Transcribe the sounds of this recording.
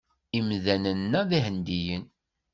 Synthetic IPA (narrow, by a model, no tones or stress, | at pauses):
imðænənːæðiɦənd̪ijən